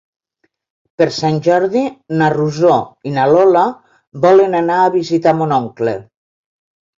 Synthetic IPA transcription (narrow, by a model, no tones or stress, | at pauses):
peɾsanʲʒɔɾðinaruzoinalɔla | bɔlenanaːβizit̪amonɔŋklḛ